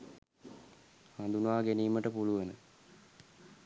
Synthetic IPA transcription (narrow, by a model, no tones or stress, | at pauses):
hand̪unaːɡeniːməʈəpuluʋənə